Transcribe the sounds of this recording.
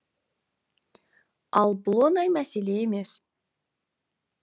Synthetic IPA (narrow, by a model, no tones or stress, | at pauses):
ɑlˠbʊlˠonɑjmæseleeme̞s